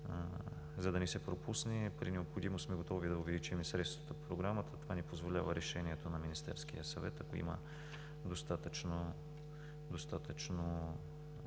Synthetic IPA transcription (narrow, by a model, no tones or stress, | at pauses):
zɐd̪ɐnɛsɛpɾopusnipɾinɛopxod̪imossmɛɡot̪ɔvid̪ɐʊvɛlit͡ʃɛmisɾɛt̪st̪vət̪əpɾoɡɾamət̪ət̪ovanɛpozvolʲavəɾʔɛʃɛniɛt̪onɐminist̪ɛ̰ɾsk̟ijəsɐvɛ̰t̪ɐkoḭmə̰ | d̪ost̪at̪ət͡ʃno | d̪ost̪at̪ət͡ʃno